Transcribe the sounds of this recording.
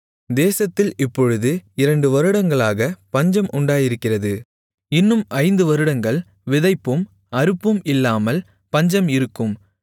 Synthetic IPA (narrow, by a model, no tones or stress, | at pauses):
d̪eːsɐt̪ːɪlɪpːɔɻɯðɯɪɾɐɳɖɯʋɐɾɯɽɐŋɡɐɭaːɣɐpɐɲd͡ʒɐmʔʊɳɖaːjɪɾɯkːɪrɐðɯ | ɪnːɯmʔɐɪnd̪ɯʋɐɾɯɽɐŋɡɐɭ | ʋɪðɐɪpːɯm | ɐɾɯpːɯmɪlːaːmɐl | pɐɲd͡ʒɐmɪɾɯkːɯm